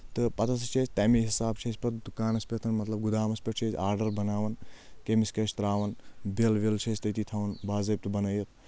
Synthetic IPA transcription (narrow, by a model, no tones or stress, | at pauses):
t̪ɨpɐt̪ʰɐs̬t͡ʃʰet͡ʃʰt̪aːmiɦisaːb̚t͡ʃʰespɐt̪d̪ukaːnɐspʲet̪ʰɐnmɐt̪lɐb̚ɡud̪aːmɐspʲeʈ̚t͡ʃʰet͡ʃʲaːɾɖɐɾbɐnaːʋɐnkemiskɐt͡ʃʰt̪ɾaːʋɐnbelʋelt͡ʃʰɐt͡ʃt̪ɐjt̪it̪ʰɐʋɐnbaːzɐjp̚t̪ɨbɐnɐjɐt̪̚ʰ